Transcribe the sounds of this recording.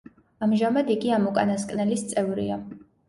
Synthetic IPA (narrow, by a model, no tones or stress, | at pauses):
amʒamad̪ikʼiamɔkʼa̰naskʼnɛlist̪sʼɛvɾḭa